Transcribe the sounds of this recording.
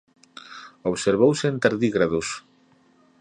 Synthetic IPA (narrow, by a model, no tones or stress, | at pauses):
oβseɾβowsent̪aɾðiɣɾaðus